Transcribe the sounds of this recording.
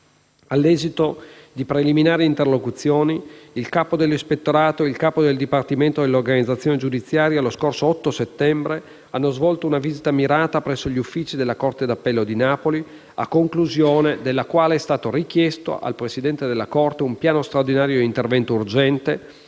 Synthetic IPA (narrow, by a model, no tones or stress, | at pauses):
alːɛːzit̪od̪ipɾeliminaːɾeint̪erlokut̪sːjoːniilkaːpod̪elːispet̪ːoɾaːt̪oilkaːpod̪eld̪ipart̪iment̪od̪elːorɡanid̪zat̪sːjoːned͡ʒud̪it̪sːjaːɾjaloskorsoɔt̪ːoset̪ːɛmbɾe | anːozvɔlt̪ounaviːzit̪amiɾaːt̪apɾɛsːoʎiufːiːt͡ʃid̪elːakort̪ed̪apːɛlːod̪inaːpoli | a̰kːoŋkluzjoːned̪elːakwaːleɛst̪aːt̪orik̟jɛst̪o̰ʔa̰lpɾesid̪ɛnt̪ed̪elːakort̪eumpjaːnost̪ɾaord̪inaːɾjoint̪ervɛnt̪ourd͡ʒɛnt̪e